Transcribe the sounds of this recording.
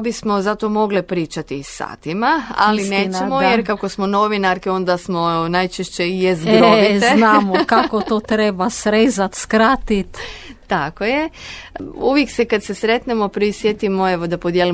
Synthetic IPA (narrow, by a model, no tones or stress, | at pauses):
bismo̞zat̪omo̞ɡlipɾiːt͡ʃat̪isa̰ːt̪imaa̰lineːnt͡ɕemojeɾkakosmono̞ʋinaɾkeo̞nd̪asmonajt͡ʃeʃt͡ɕejezɡɾoienamokakot̪oːt̪ɾebasɾezat̪skɾat̪it̪ːakoje | uʋjeksekad̪sesɾet̪nemopɾisjet̪imoeʋod̪apod̪jeli